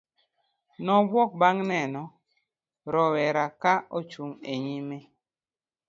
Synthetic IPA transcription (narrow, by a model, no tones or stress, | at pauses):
nɔbwɔk̚baŋnɛnɔ | ɾɔwɛɾakaot͡ʃuŋeɲime